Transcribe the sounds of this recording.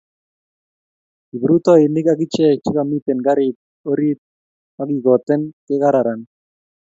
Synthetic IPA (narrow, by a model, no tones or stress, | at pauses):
ibɾut̪ɔinɪkaɡit͡ʃɛt͡ʃikamit̪ɛnɡaɾit̪̚ | oɾit̪̚ | maɡiɡɔt̪ɛnkeɣaɾaɾan